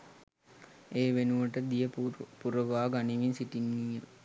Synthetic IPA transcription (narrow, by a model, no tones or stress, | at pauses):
eːʋenuʋəʈəd̪ijəpuɾəʋaːɡaniʋinsiʈinːijə